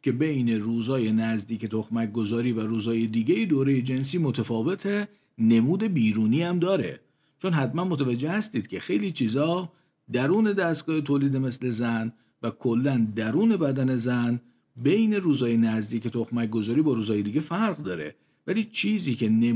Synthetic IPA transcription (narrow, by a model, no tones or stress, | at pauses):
cʰʲe̞be̞jne̞ɾuːzɒːje̞næzd̪iːce̞t̪ʰoxmæc̚ɡo̞zɒːɾiːvæɾuːzɒːje̞d̪iːɟejed̪oːɾeje̞d͡ʒe̞ns̬iːmot̪ʰæfɒːve̞t̪ʰe | ne̞muːd̪e̞biːɾuːniːæmd̪ɒːɾe̞̰ | t͡ʃʰo̞nɦæt̪mænmot̪ʰævæd͡ʒːe̞hæst̪iːd̪̥̚cʲʰe̞xe̞jliːt͡ʃʰiːzɒː | d̪æɾuːne̞d̪æst̪ɡɒːhet̪ʰoːliːd̪e̞me̞sle̞zæn | vækʰo̞lːænd̪æɾuːne̞bæd̪æne̞zæn | be̞jne̞ɾuːzɒːje̞næzd̪iːce̞t̪ʰoxmæc̚ɡo̞zɒːɾiːbɒːɾuːzɒːje̞d̪iːɡɟe̞fæɾɣd̪ɒːɾḛ | væliːt͡ʃʰiːziːcʰe̞ne